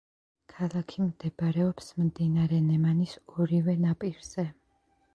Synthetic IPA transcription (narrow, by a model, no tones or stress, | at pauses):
kʰalˠakʰimd̪ɛbɾɛɔpsmmd̪inaɾɛnɛmanisɔɾivɛnapʼiɾz̥ɛ